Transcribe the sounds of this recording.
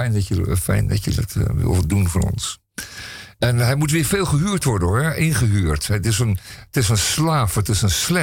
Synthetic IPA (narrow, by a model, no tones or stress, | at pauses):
ɛjndɔtjəfɛ̰jndɑ̰tjə̰dɑ̰tʋɪ̰lˠdunvonɔ̰ns | ɛnɦɛjmutʋɪːɹfeːlˠχəɦyːɹtʋɔɹdənɛʔɪnχəɦyːɹtɛtɪsənətɪsənslaːfətɪsənslɛ